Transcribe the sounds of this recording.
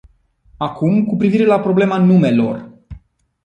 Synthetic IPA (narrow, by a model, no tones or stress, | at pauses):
akumkupɾiviɾe̞lapɾo̞ble̞manume̞lo̞̰r